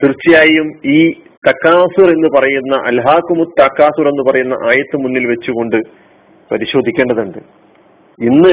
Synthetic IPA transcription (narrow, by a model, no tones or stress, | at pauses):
t̪irt͡ɕːijaːjumiː | t̪ɐkːaːsure̞nːɨpɐrɐjunːɐʔɐ̰lɦaːkːumut̪ːɐkːaːsure̞nːɨpɐrɐjunːɐ̰ʔaːjɐt̪ːɨmunːilʋet͡ɕːuɣo̞ɳɖɨ | pɐɾiɕo̞ːd̪ʱikʲːe̞ːɳɖɐðuɳɖɨ | inːɨ